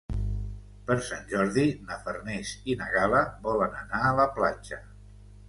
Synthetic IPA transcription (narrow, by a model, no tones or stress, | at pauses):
pəɾsanʲʒɔɾðinəfərnesinəɣaləβɔlənənaələplad͡ʒə